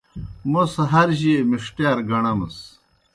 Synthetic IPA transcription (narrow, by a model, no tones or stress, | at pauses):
mɐsɐɦɐɾɕiemiʂʈaːɾɡɐɳɐmɐs